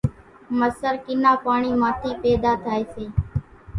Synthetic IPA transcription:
məsəɾkɪnãːpaːɳiːmãːt̪ʰiːpeːd̪aːt̪ʰaːeːseː

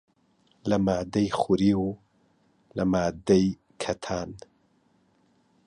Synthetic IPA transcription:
lɐmaːd̪ɐjχʊɾiːw | lɐmaːd̪ɐj | kʰɐt̪ʰaːn

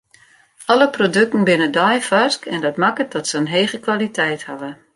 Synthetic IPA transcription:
ɔləprodøk̚tən̩bɪnədɔjfaskɛndɔtmakət̚dɔtsəənɦeːɣəkʋalitɛjthavə

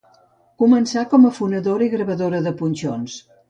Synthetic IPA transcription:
kumənsakɔməfunəðoɾəiɣɾəβəðoɾəðəpunʲt͡ʃons

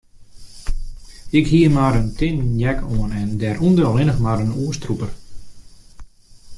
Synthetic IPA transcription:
ɪkhiəmaɾəntɪnjɛkʰoənɛndɛːɾundəlˠɪnəxmaɾənuəstrupər

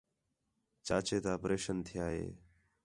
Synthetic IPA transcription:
t͡ʃaːt͡ʃeːt̪aːpɾeːʃənt̪ʰɪjaːɦḛː

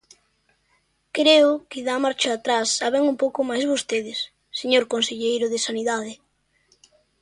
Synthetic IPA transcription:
kɾeʊkɪðamaɾt͡ʃʊat̪ɾasːaβeŋumpowkʊmajzβost̪eðɪsː | eɲoɾkonseʎejɾʊðɪsaniðað̞ɪ

